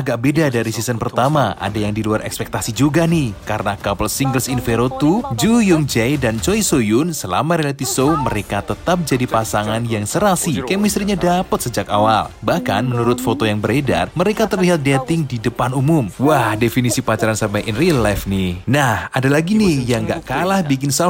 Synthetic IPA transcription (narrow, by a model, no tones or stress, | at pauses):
aɡaʔ̚bedadaɾisisənpərt̪amaʔa̰dajaŋdiluarɛ̰kspɛk̚t̪asid͡ʒuɡanɪhkaɾənakapəlsiŋɡəlsinfeɾot̪ud͡ʒujuŋd͡ʒɛjdant͡ʃojsojʊnsəla̰maɾelat̪ifsowməɾekat̪ət̪ap̚d͡ʒadipasaŋanjaŋsəɾasikamist̪ɾiɲadapət̪səd͡ʒakawa̰lbahka̰nmənuɾʊt̪̚fot̪ojaŋbəɾeda̰rməɾekat̪ərliɦat̪̚det̪ɪŋdidəpanumʊmwahdefinisipat͡ʃaɾansampajʔɛnriəlːafnihnahadalaɡinɪhjaŋɡa̰ʔkalahbikɪnsa